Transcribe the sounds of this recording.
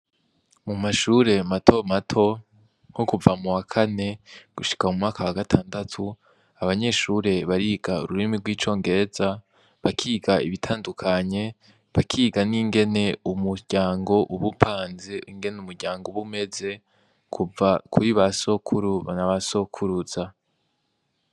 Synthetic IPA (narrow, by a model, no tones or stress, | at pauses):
mumaʃuːɾe̞matʰo̞matʰo̞ | ŋ̥okuvamuwakʰane̞ɡ̥uʃi̥kamumŋaːkawaɡatʰaːndatʰu | aβaɲe̞ʃuɾe̞βaɾiːɡaṵɾuɾimiɾɡwiːt͡ʃo̞ːŋɡe̞ɾeza | βakʰiːɡaiβitʰaːndukʰaɲe̞ | βakʰiːɡaniːŋɡe̞ne̞umuɟ̥aːŋɡo̞ʔuβupʰaːnze̞iŋɡe̞numuɾɟaːŋɡoβume̞ze̞ | kʰuvakʰuɾiβasokʰuɾnaβaso̞kʰuɾuz̥a